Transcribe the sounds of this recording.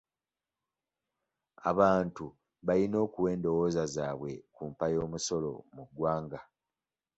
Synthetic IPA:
a̰βaːntu | βalino̞ːkuwe̞ːndo̞wo̞ːzazaːβwe̞kuːmpajo̞ːmuso̞lo̞̰muɡwaːŋɡa

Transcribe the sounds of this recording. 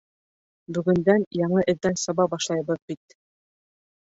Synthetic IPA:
bɵ̆ɡɵ̆nd̪ænjɑɴɤʔɘ̆ðːænsɑβɑbɑʃlˠɑjɤβɤðbit̪

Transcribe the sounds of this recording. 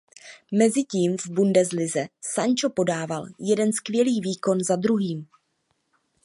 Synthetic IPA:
mɛzɪciːmvbundɛzlɪzɛsaɲt͡ʃo̞po̞daːvaljɛdɛnskvjɛliːviːko̞nzad̪ɾuɦiːm

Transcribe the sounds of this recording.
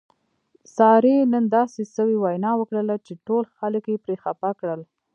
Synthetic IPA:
sɑɾenənd̪ɑsesəwiwajnɑwəkɽəlat͡ʃeʈolxaləkjepɾexapakɽəl

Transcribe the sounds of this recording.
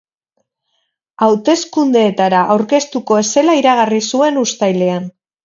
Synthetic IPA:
awt̪e̞skund̪e̞ːt̪aɾaʔːwɾke̞st̪uko̞e̞se̞laiɾaɣ̞arisue̞nust̪ajle̞an

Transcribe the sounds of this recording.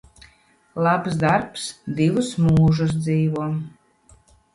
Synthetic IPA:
lˠapsd̪aɾpsd̪ivɨsmuːʒɨs̬d̪ziːvuɔ

